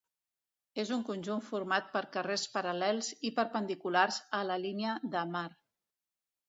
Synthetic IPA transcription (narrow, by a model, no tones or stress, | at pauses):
ezuŋkunʲʒuɱfuɾmat̪̚pəɾkərespəɾəlɛlˠzipəɾpənd̪ikularzələliniəðəmar